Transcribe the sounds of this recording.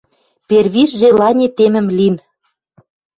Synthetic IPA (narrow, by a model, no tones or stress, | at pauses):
perβiʃʒelɑnʲet̪emɘ̆mlin